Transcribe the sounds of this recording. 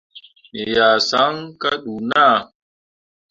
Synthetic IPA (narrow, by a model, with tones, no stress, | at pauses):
me˨ja˨sa˨˦ŋka˦ɗu˨na˦˨